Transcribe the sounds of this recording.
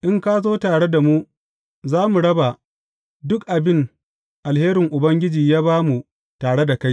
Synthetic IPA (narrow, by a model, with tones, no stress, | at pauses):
ʔɪ˦ŋkaː˦zoː˦taː˨ɽe˦da˨mu˦ | zaː˦mu˨ɽɐ˦ba˨ | dʊ˦kʔa˨bɪ˦n | ʔa˨lheː˦ɾɪ˨ŋʔʊ˨bɐ˦ŋɡʲɪ˦d͡ʒiː˨jaː˦βaː˦mu˨ | taː˨ɽe˦da˨ka˦j